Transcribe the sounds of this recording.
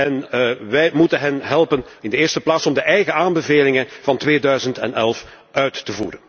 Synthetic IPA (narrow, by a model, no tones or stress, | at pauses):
ɛnʋɛjmutənɦɛnɦɛlˠpənɪndəɪːrstəplaːtsɔmdəʔɛjɣəaːmbəveːlɪŋənv̥ɑntʋeːdœɥzəntɛ̰nɛlˠf | ʔœɥtːəvṵːɾən